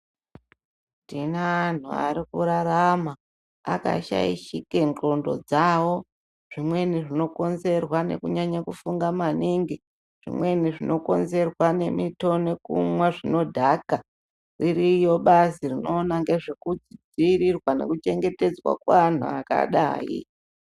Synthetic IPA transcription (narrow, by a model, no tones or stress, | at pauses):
tineːn̤ṵa̰ɾikuɾaɾama | a̰ka̰ʃa̰iʃikent͡ɬo̞ndo̞̰d͡zawo̞ | ʐ̥imwe̞niʐino̞ko̞nze̞rwane̞̰kuɲaɲakufuŋɡamaniŋɡi | ʐ̥ḭmwe̞niʐino̞ko̞nze̞rwane̞mito̞ne̞kṵmwaʐino̞dʱaka | riɾijo̞ɓasirino̞ːnaŋɡe̞ʐekud͡zid͡ziɾirwanḛkut͡ʃe̞ŋɡe̞te̞d͡zwa̰kwan̤ṵaka̰ɗa̰ːḭ